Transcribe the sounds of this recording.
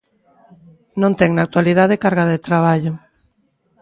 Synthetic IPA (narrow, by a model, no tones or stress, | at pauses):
nõnt̪ɛŋnak̚t̪waliðaðekaɾɣaððet̪ɾaβ̞aʎʊ